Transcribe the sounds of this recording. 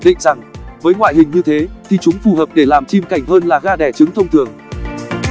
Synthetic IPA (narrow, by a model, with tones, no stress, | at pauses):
ɗḭ˧˨ŋ̟za˨˩ŋvəː˨˦jŋwa̰ː˧˨jhï˨˩ŋ̟ɲɨ˧t̪ʰe˨˦t̪ʰi˨˩t͡ɕʊ˨˦ŋ͡mfu˨˩həː˨˩p̚ɗe˧˩laː˨˩mt͡ɕi˧mka˧˩jŋ̟ɦəː˧nlaː˨˩ɣaː˧ɗɛ˧˩t͡ɕɨ˨˦ŋt̪ʰə˧wŋ͡mt̪ʰɨ˨˩əŋ